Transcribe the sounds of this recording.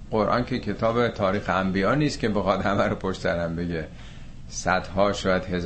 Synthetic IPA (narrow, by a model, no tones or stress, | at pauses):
ɢ̥oɾʔɒ̰ːncʰecʰe̞t̪ʰɒːbet̪ʰɒːɾiːxeæmbiɒːniːst̪kʰʲcʰebexɒd̪hæmæɾopʰoʃt̪sæɾæmbe̞ɟe | sæd̪̥hɒːʃɒːjæd̪̥he̞z